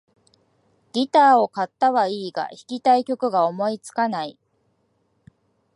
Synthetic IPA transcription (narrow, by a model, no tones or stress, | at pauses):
ɡ̥ʲit̪aːo̞kat̪ːaβaiːɡa̰çi̥kʲit̪aikʲo̞kɯ̟ɡao̞mo̞it͡sɨ̥kanai